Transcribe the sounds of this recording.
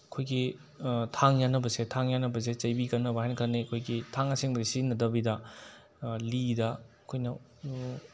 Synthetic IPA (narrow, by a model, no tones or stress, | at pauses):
ɐkʰojɡi | tʰaŋjanɐbɐsetʰaŋjanːɐbɐs̬et͡ʃɐjbikɐnːɐbɐhajnɐkʰɐnːikʰojɡitʰaŋɐseŋbɐzisinɐdɐbidɐ | lidɐ | kʰojnɐ